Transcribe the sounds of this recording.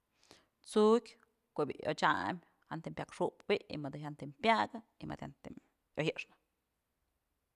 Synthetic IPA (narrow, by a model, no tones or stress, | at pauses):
t͡sukʲ | kobʲḭʔo̰t͡ʃamʲ | hant̪empʲjakʂuʔpbiʔḭmɨd̪ɨɦant̪impjaɡa | imɨ̰d̪hant̪im | johɨʔʂnɨ̥